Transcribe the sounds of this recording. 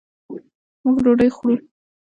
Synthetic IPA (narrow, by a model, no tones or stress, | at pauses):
muɡɾoɖəjxɽu